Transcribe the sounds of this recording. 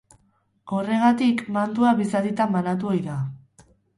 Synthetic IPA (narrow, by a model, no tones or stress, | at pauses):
ɡare̞ɣ̞at̪ikmant̪uaβisaðit̪amːanat̪̬uojða